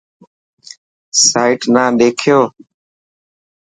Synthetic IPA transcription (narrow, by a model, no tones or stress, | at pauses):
saːɪʈnãːɗ̪eːkʰɪjoː